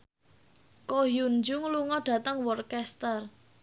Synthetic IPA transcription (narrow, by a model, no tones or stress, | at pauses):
kojund͡ʒuŋluŋɔɖ̥ä̤t̪əŋwɔrkɛst̪ər